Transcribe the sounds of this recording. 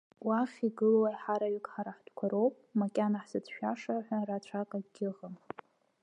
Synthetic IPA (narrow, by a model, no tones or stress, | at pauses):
waχʲiɡɨlwajħaɾaɥɪkʰʼħaɾaħd̥kʷʰaɾo̞wpʼmakʲʼanaħsɨt͡sʃᶣaʂaħʷarat͡ʃʷʰakʼaɡʲɪʁəm